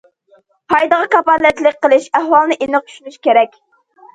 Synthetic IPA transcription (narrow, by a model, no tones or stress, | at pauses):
pʰɑjd̪əʁɑkɑpɑlːɛt̪lɪk̚ʲqəlˠɪʃæhwɑlˠnɨʔenɨʁ̚t͡ʃʰy̥ʃnyʃkʲeɾɛkʲ